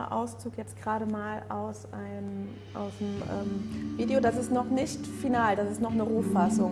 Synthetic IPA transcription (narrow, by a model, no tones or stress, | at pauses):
ʔa̰ʊst͡suːkjɛt͡st̚ɡ̥ʁaːɾəmaːlʔaʊsʔaɪnə | ʔa̰ʊsdəmʔɛ̰ːmviːdeodasɪstnɔχnɪçtfinaːld̥asɪstnɔχnəʁuːfasʊŋ